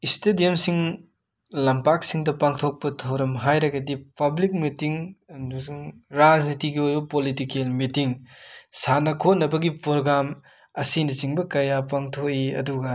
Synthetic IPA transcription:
istedijɐmsiŋ | lɐmpak̚siŋdɐpaŋtʰok̚pɐtʰawɾɐmɦajɾɐɡɐdipɐblik̚mitiŋsŋɾad͡ʒnitiɡiojbɐpolitikelmitiŋsanɐkʰot̚nɐbɐɡipɾoɡɾam | ɐsinɐt͡ʃiŋbɐkɐjapaŋtʰok̚iɐ̰duɡɐ

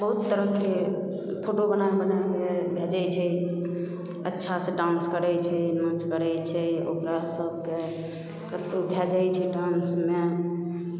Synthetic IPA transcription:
bəɦut̪ːəɾəkːe | pʰoʈobənabənajkebʱed͡ʒɛt͡ʃʰɛ | ə̰tːʃʰasẽɖãnskəɾɛt͡ʃʰɛnət͡ʃkəɾɛjt͡ʃʰɛo̰kɾasəbʱke | kət̪ud̪ʱjad͡ʒajt͡ʃʰɛɖansme

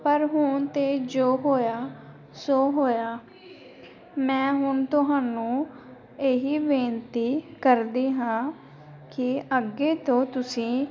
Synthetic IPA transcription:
pəɾɦʊɳt̪eːd͡ʒoːɦoːjaː | soːɦoːjaː | mɛ̃ːɦʊɳt̪ʊɦaːnũː | eːɦiːʋẽːnt̪iːkəɾd̪iːɦãː | kɪʔəɡeːt̪õːt̪ʊsĩː

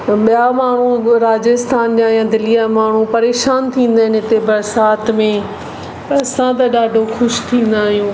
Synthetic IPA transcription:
ɓijamaːɳ̤uɾaːd͡ʑəst̪ʰaːnɗjãjãd̪ɪlijamaːɳ̤ũpɐɾeːʃaːnt̪ʰĩːn̆d̪aːɦɪnɪt̪ebɐɾsaːt̪mẽ | pɐɐsãt̪̬ɐɗaːɖʱoxʊʃt̪ʰĩːn̆d̪aːɦijũː

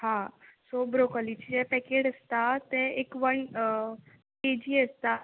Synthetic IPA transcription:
hãsobɾokɔlit͡ɕiɛpɛkeɽəst̪at̪ẽekʋəɳ | ʈed͡ʑiəst̪a

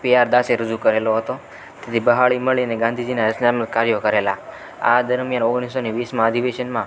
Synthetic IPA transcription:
piaɾd̪aseɾəd͡ʒukəɾeloɦət̪o | t̪et̪ʰibəɦaɭiməɭiəneɡãnd̪ʱid͡ʒinaɾəsnaməlkaɾjokəɾela̰ | a̰d̪əɾmjanoɡɽ̃isːoneʋismãəd̪ʱiʋeʃənmã

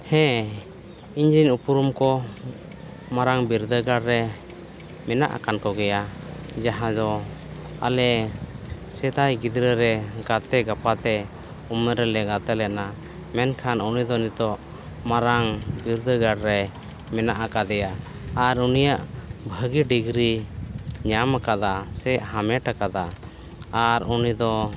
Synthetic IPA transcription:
hɛ̃ | iɲd͡ʒiɲupuɾumkɔ | maɾaŋbiɾd̪əɡaɾɾɛ | mɛna̰ʔa̰kankɔɡɛjad͡ʒaɦãd̪ɔ | a̰lɛ | sɛd̪ajɡid̪ɾəɾɛɡat̪ɛɡapat̪ɛ | umɛɾɛlɛɡat̪ɛlɛʔ̪̚na | mɛnkʰanunid̪ɔnit̪ɔʔ | maɾaŋbiɾd̪əɡaɽɾɛ | mɛnaʔakad̪ɛja | aɾunijaʔbʱəɡiɖiɡɾi | ɲamakad̪asɛʔɦamɛʈakad̪a | aɾunid̪ɔ

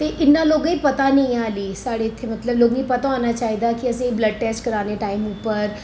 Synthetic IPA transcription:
t̪eːʔɪnːãːloːɡĩːpət̪aːnĩːaːliːsaːɽeːɪt̪ʰːeːmət̪ləbloːɡnĩːpət̪ãaːnaːt͡ʃaːiːd̪aːkɪəsĩːbləɖ̚ʈɛːsʈkəɾaːneːʈaːimupəɾ

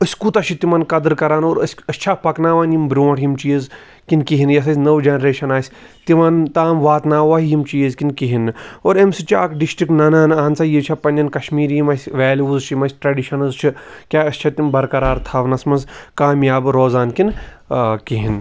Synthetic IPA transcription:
ɨsʲkuːt̪ɐʃʰit̪imɐnkɐd̪ɨɾkɐɾaːnoːɾɐsʲɐst͡ʃʰapɐknaːʋaːnjimbɾʲõːʈʰjimt͡ʃijiz | kinkiɦinjɐs̬ɐsʲnɐʋd͡ʒenɾeːʃɐnaːsʲ | t̪imant̪aːmʋaːt̪naːʋɐɦjimt͡ʃijizkinkiɦinɨoːɾemsɨt͡ʃʰia̰ːkɖisʈɾiknɐnaːnaːnt͡sɐjit͡ʃʰapɐnʲd͡ʒɐnkɐʃmiːɾjimɐsʲʋeːlʲuuzt͡ʃʰimɐsʲʈɾɐɖiʃɐnɐzt͡ʃʰikʲaːɐsʲt͡ʃʰat̪imbɐɾkɐɾaːɾt̪ʰaːʋnɐsmɐnzkaːmjaːbɾoːzaːnkin | kiɦin

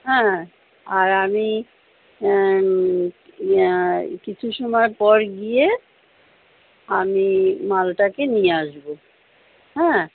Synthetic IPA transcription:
ɦɛ̃ | aɾami | kit͡ɕʰuʃɔmɔepɔɾɡije | amimalʈakenijeaʃbo | ɦɛ̃

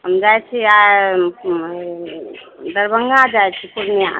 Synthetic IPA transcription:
ɦəmd͡ʒajt͡ʃʰia | d̪əɾbəŋɡad͡ʒajt͡ʃʰikuɾmia

